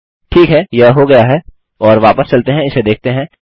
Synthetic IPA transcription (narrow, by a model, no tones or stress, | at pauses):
ʈʰiːkɦɛjɐɦɦoɡɐjaɦɛ | ɔːɾʋaːpəst͡ʃɐlt̪eɦɛ̃ɪsed̪eːk̚ʰt̪eɦɛ̃